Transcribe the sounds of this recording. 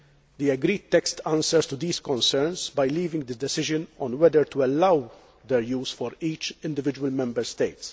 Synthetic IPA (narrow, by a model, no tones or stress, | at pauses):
d̪iɛɡɾiːt̪ːɛkst̪ãnsəɾst̪ud̪iːskɔ̃nsɛɾnsbɐjliːvɪ̃ŋɡd̪ɨd̪ɛsɪʒə̃nɔ̃nwɛd̪əɾt̪uɛlːɐw | d̪ɛɾjuːsfɔɾiːt͡ʃɪ̃nd̪ɪvɪd͡ʒuwəlmɛ̃mbəɾst̪ejt̪s